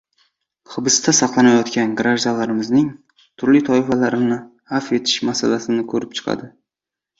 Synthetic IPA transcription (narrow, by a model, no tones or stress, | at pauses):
χɨbɨst̪ʰasɑqlˠanajɒt̪kʲanɡɾaʒd̪alaɾɪmɪznɪŋ | t̪ʰʊɾlit̪ʰɒɪfalaɾɪnɪ | hafe̞t̪ʰɪ̥ʃmasa̰lasɪnɪkʰɵɾɪp̚t͡ʃʰɨ̥qʰɑ̰d̪ɪ